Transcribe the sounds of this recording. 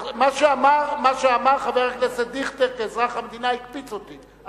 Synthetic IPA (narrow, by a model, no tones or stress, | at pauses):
maʃeamaʁmaʃeamaʁχaveʁaklesed̪iχt̪ekeːzʁaχamd̪inaikpit͡sot̪i